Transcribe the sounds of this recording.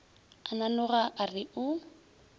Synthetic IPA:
ananʊɣaʔarɪʔʊ

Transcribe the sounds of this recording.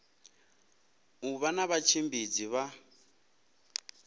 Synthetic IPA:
uβanaβat͡ʃʰembid͡ziβa

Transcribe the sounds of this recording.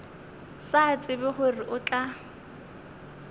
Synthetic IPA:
sat͡sʼɪbɛχʊrɪʔʊt͡ɬʼa

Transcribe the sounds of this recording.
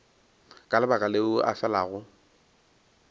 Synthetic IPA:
kʼalɪbakʼaleʊʔa̰fɛlaɣʊ

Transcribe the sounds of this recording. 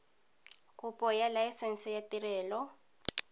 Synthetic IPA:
kʼupʼɔjalajisɛn̩sɛjatirɛːlɔ

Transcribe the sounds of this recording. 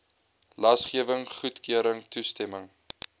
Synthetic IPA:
lɐsχiəvəŋχutkiəɾəŋtustɛməŋ

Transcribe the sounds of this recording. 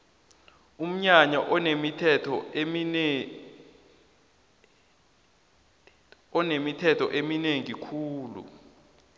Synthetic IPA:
um̩ɲaɲaʔɔnemitʰɛtʰɔ | ɔnemitʰɛtʰɔʔemineŋikʰuːlṵ

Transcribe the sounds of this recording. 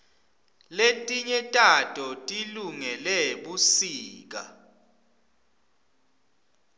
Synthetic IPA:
letʼiɲɛtʼatʼɔtʼiluŋɛlɛɓusiːk̬a̰

